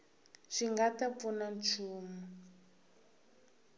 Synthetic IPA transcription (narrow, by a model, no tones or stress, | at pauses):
ʂiŋɡatapfunant͡ʃʰuːmu